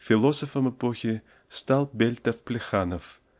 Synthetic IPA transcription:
fʲɪlˠosofəmɛpoxʲɪ | st̪alˠbʲelʲt̪ɐfplʲɪxanof

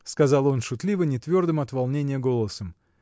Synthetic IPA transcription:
skɐzɑlˠo̞nʂʊt̪lʲivənʲɪt̪vʲo̞rd̪ɨmɐt̪valˠnʲenʲɪjəɡo̞lˠəsəm

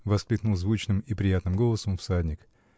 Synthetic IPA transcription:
vɐsklʲiknulˠzvut͡ɕnɨmipɾʲɪjat̪nɨmɡolˠəsəmfsadʲnʲɪk

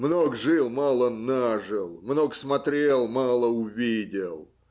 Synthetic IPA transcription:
mnokʐɨlˠmalˠənaʐɨlˠmnoksmɐt̪ɾʲelˠmaɑlˠəʊvʲidʲɪlˠ

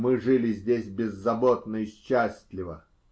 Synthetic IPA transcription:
mɨʐɨlʲɪzʲdʲesʲbʲɪzːɐbot̪nəɪɕːæsʲt̪ʲlʲɪvə

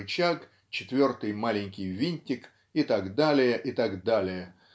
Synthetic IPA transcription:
t͡ɕak | t͡ɕɪt̪vʲo̞rt̪ɨjmalʲɪnʲkʲɪjvʲinʲt̪ʲɪk | ɪt̪aɡd̪alʲɪjəʔɪt̪aɡd̪alʲɪjə

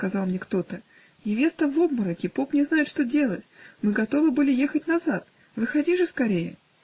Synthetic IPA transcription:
skɐzɑlˠmnʲe̞kt̪o̞t̪ə | nʲɪvʲe̞st̪əvo̞bməɾəkʲɪpo̞pnʲɪznajɪt̪ʂt̪o̞dʲe̞lˠətʲmɨɡɐt̪o̞vɨbɨlʲɪje̞xətʲnɐzat̪ | vɨxɐdʲiʐɨskɐɾʲejə̰

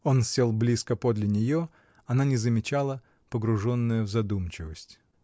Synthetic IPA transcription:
o̞nsʲelˠblʲiskəpod̪lʲɪnʲɪjo̞ | ɐnanʲɪzəmʲɪt͡ɕalˠə | pəɡɾʊʐo̞nːəjəvzɐd̪umt͡ɕɪvəsʲtʲ

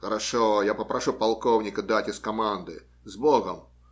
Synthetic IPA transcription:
xɐɾaʂɔjapɐpɾaʂupalˠkɔwnʲɪkɐd̪atʲɪskamand̪ɨ̰ | zbɔɣɐm

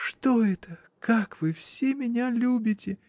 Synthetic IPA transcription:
ʂt̪oɛt̪ə | kakvɨfsʲemʲɪnʲalʲubʲɪtʲɪ

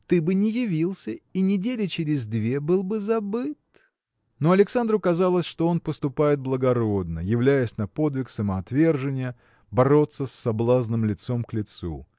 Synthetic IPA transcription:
t̪ɨbɨnʲɪjɪvʲilˠsʲəinʲɪdʲelʲɪt͡ɕɪɾʲɪzd̪vʲebɨlˠbɨzɐbɨt̪ | no̞ɐlʲɪksand̪ɾʊkɐzalˠəsʲʂt̪o̞o̞npəst̪ʊpajɪt̪̚blˠəɡɐɾo̞d̪̚nə̰jɪvlʲæjəsʲnɐpo̞d̪vʲɪksəməɐt̪vʲe̞rʐɨnʲɪjə | bɐɾo̞t̪sːəsʲːɐblˠaznɨmlʲɪt̪so̞mklʲɪt̪sṵ

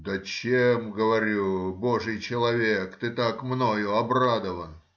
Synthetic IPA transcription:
d̪ət͡ɕemɡəvɐɾʲubo̞ʐɨjt͡ɕɪlˠɐvʲekt̪ɨt̪akmno̞jʊɐbrad̪əvən

